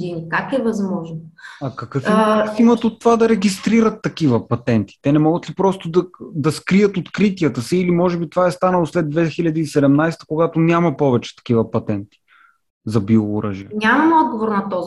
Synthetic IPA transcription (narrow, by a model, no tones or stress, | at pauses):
d̪inikakɛvɐzmɔʒnoɐkɐkɤfimfimət̪ot̪ːovad̪ɐɾɛɡist̪ɾiɾət̪ːɐkivəpɐt̪ɛnt̪i̥t̪ɛnɛmɔɡət̪lipɾɔst̪od̪ɐd̪ɐskɾijət̪ot̪kɾit̪iət̪əsiːlimɔʒɛbit̪ovaɛst̪anəlˠoslɛd̪vɛxilʲɐd̪iːsɛd̪ɛmnajst̪ə̥koɡat̪onʲamɐpɔvɛt͡ʃɛ̥t̪ɐ̥k̟ivəpɐt̪ɛnt̪i̥ | zɐbioːɾəʒiənʲamɐmɛɔd̪̚ɡovoɾnɐt̪ɔz